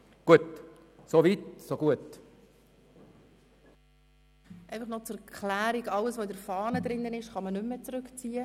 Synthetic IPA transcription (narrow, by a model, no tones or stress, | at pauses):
ɡ̥uət | sovitsoɡuət | ʔɛɪfɑχnɔt͡skʰlæːɾiɡɑləsʋoɪdəɾfɑːnəd̪ɾɪnːənɪʃχɑmənʏmːət͡sɾʏkt͡siːə